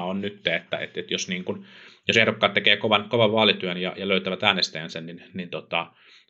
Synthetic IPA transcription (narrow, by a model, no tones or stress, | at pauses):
onnyt̪ːeet̪ːæ̰ḛt̪et̪josniːŋkunjosehdokːɑːt̪t̪ekeːkoʋɑnkoʋɑʋʋɑːlit̪yønjɑ̰jɑløyt̪æʋæt̪æːnest̪æjænsænninnint̪ot̪ɑ